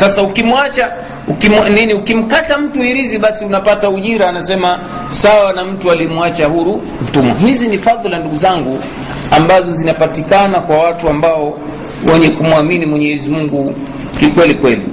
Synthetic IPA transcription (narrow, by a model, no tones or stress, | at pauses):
sasaukimuat͡ʃa | ukimniniukim̩katam̩tuiɾiziɓasiunapatauʄiɾaːnasɛma | sawanam̩tualiɛmuat͡ʃahuɾu | m̩tumɔ̰ɦizinifaðlanduɡuzaŋɡu | ambazɔzinapatikanakwawatuambaɔ | wɛɲɛkumuaminimwɛɲɛɛzimuŋɡu | kikwɛlikwɛlḭ